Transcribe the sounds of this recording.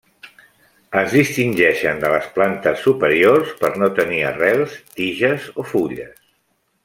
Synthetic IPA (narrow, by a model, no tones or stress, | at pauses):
əzðist̪inʲʒɛʃənd̪ələsplant̪əsːupəɾiorspəɾnot̪əniə̰rɛlˠst̪iʒəzofuʎəs